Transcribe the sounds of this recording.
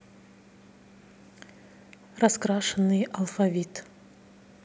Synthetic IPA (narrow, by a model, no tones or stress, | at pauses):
raskɾaʂənːɨjɐlˠfavʲit̪